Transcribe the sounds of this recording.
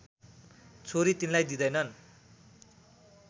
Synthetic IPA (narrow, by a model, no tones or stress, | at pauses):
t͡sʰoɾit̪inlajd̪id̪ʌjnʌn